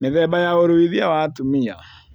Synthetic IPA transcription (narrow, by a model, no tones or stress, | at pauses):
neðɛbajaoɾowiðiawatumia